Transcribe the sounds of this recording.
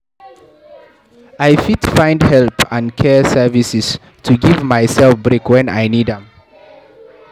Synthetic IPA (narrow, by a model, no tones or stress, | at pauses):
ajfitfãj̃ndhɛlpãndkʰɛsɛvisis | tʰuɡivmajsɛlfbɹekwɛ̃na̰jnidɛ̃m